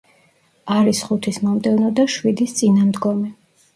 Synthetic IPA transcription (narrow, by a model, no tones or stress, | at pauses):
aɾisχut̪ʰismɔmd̪ɛvnɔd̪aʃwid̪ist̪sʼinamd̪ɡɔmɛ